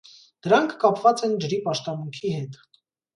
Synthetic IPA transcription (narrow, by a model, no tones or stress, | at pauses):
d̪̥əɾɑŋkʰːɑpʰvɑt͡sɛnd͡ʒəɾipɑʃt̪ɑmuŋkʰiɦɛt̪